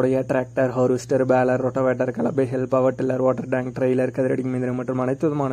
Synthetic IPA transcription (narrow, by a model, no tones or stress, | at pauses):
ɽɐjɐʈɾaːk̚ʈɐɾɦoːɾʋɪsʈɐɾbaːlɐɾːɔʈːɐʋeːʈːɐɾkɐlɐbeɦɛlpɐʋɐʈːɪlːɐɾʋoːʈːɐɾɖaːŋk̚ʈɾɐjlɐɾkɐðɪɾɐɽɪŋːmind̪ɪɾɐmɐʈːrɯmɐɳɐɪt̪ːɐðɐmaːnɐ